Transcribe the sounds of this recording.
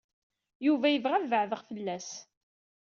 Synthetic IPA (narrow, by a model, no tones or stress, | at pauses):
juvæjəvʁæðvəʕðəʁfəlːæs